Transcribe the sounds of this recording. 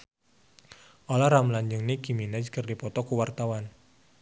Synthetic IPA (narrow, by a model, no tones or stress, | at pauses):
ʔolaɾamlaɲd͡ʒɨŋnikiminad͡ʒkɨrdipɔt̪ɔkuwart̪awan